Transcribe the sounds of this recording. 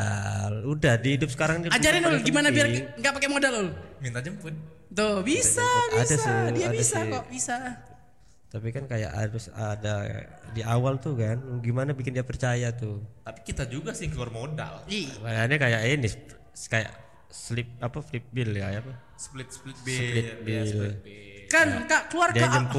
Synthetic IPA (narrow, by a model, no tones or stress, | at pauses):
aludahdiidʊp̚sə̥kaɾaŋdiad͡ʒaɾɪnlɡimanabiarŋɡaʔpakɛmodalolumint̪ad͡ʒəmpʊn | t̪obisaasdasiaabdasɪɔbisa | t̪apikankaja̰ʔa̰ɾʊsa̰dadiawalt̪ukanɡimanabikɪndiapərt͡ʃajat̪ʊt̪api̥kit̪ad͡ʒuɡasɪhkəluarmoda̰likadaaɲakajaʔinɪ | kaja̰ʔ | slɪp̚apaflɪp̚bɪlkajapa | splɪt̪̚splɪt̪̚slɪbɪlkankaʔkəluardiad͡ʒəmp